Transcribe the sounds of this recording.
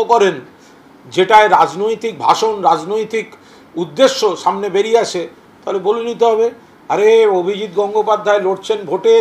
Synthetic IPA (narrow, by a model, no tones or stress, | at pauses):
okɔɾen | d͡ʑeʈaeɾad͡ʑnojt̪ik̚bʱa̰ʃonɾad͡ʑnojt̪ik | ud̪ːeʃːoʃamnebeɾiaʃʰe | t̪aɦolebolenit̪eɦɔbe | aɾeobʱid͡ʑit̪ɡɔŋɡopad̪ʱːaeloʈt͡ɕʰenbʱoʈe